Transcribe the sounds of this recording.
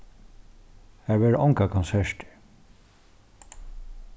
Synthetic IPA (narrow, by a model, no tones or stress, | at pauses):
hæɹvɛːɹɔŋkakʰɔnsɛʂt̪ɪ̥